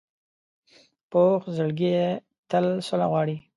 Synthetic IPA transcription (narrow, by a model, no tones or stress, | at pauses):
poxzəlɡije | t̪əlsolaɣwɑːɽi